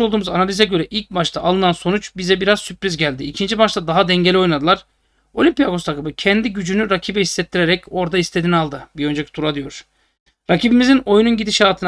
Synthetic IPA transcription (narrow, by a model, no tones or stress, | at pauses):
olˠd̪uːmuzanalʲizɛɟø̞ɾɛʔilʲc̚baʃt̪ʰaʔːlˠɯnanso̞nut͡ʃbizɛbiɾaz̥sypɾizɟælʲd̪iːcʰind͡ʒibaʃt̪ʰad̪aɦad̪ɛɲɟelʲio̞jnˠad̪ɯlˠaɾ̥ | olʲimpijaɡo̞st̪ʰakɯbɯcʰɛnd̪iɟyd͡ʒynyɾacʰibɛhisːɛt̪ːiɾeɾɛco̞ɾd̪aist̪ʰed̪inalˠd̪ɯbiønd͡ʒecʰit̪ʰuɾad̪ɯjo̞ɾ̥ | ɾacʰibimizino̞jununɟid̪iʃaːt̪ʰɯn